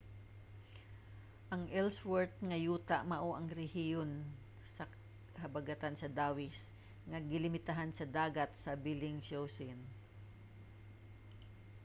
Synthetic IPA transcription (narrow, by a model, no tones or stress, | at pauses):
ʔɐŋʔɛlswɛɹt̪̚ŋɐjuːt̪aʔmɐʔoʔɐŋɾɛhijon | sɐ | hɐbɐɡɐt̪ansɐd̪aːwɪs | ŋɐɡɪlɪmɪt̪ɐɦansɐd̪aːɡɐt̪̚sɐbilɪŋsowsɪn